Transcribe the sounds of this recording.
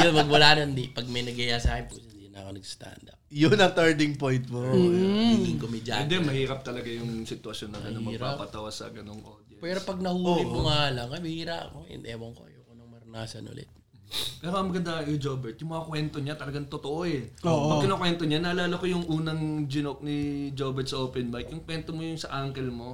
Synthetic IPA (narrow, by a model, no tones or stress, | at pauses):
jonpɐɡwɐlanɐnd̪ipɐɡ̚mɐjnɐɡɐjaːsaːɪposnd̪inɐɐkonɐɡst̪a̰nd̪ɐ | jʊnɐt̪ɛɹd̪ɪŋpojnt̪̚mo | ɡɪŋkomɪd͡ʒa̰ɛnd̪ɛmɐhiːɾɐp̚t̪ɐlɐɡajʊŋsɪt̪wɐsjonːɐɡɐnɐŋmɐɡpa̰ːpɐt̪ɐwɐsɐ̰ɡɐnoŋʔo̰d̪jɐpɛːɾopɐɡ̚nɐhuːoipʊŋalɐŋkɐmɪhiːɾa̰ʔɐ̰koɪ̰nɛwɐŋko̰jokonɐŋmɐɾʊnaːsɐnʔʊ̰lɛ̰t̪̚ | pɛːɾoɐmɐɡɐnd̪aɐŋkod͡ʒoːbɛɹt̪̚jʊŋmɐŋɐkwɛnt̪oɲat̪ɐlɐɡaŋt̪ot̪oʔoɛoːʔpɐɡkɪnokwɛnt̪o̞ɲanɐːɐlaːlɐkojʊŋʔuːnɐŋd͡ʒɪnok̚nɪd͡ʒoːbɛɹt̪̚sɐʔoːpɛnbajk̚jʊŋkwɛnt̪omojʊŋsɐʔaŋkɛlmo̞